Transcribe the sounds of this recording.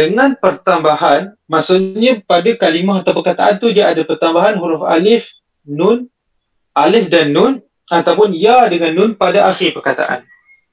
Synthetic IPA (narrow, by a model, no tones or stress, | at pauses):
dəŋãnpərt̪ambaɦan | masuʔɲãpadakalimaɦat̪awpərkat̪aʔant̪udiaʔadapərt̪ambaɦanɦuɾʊfa̰lɪf | nʊn | ʔalɪfdanːʊn | at̪awpʊnjadəŋanːʊnpadaʔaxɪrpərkat̪a̰ʔa̰n